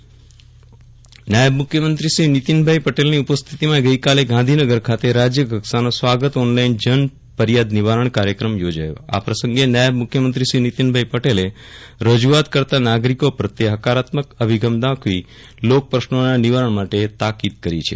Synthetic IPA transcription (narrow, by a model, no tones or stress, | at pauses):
najəbmʊkʰjəmənt̪ɾiʃɾinit̪inbʱaipəʈelniupəst̪ʰit̪imãɡəikaleɡãnd̪ʱinəɡəɾkʰat̪eɾad͡ʒjəɡʱəksanosʋaɡət̪ɔnlaind͡ʒən | pəɾjad̪niʋaɾəɳ̃kaɾjəkɾəmjod͡ʒa̰jo̰a̰pɾəsəŋɡenajəbmʊkʰːjəmənt̪ɾiʃɾinit̪inbʱaipəʈele | ɾəd͡ʒuat̪kəɾt̪anaɡɾikopəɾt̪eɦəkaɾat̪məkəbʱiɡʱəmd̪ãkʋi | lok̚pɾəʃnonaniʋaɾəɳ̃maʈet̪akid̪̚kəɾit͡ʃʰḛ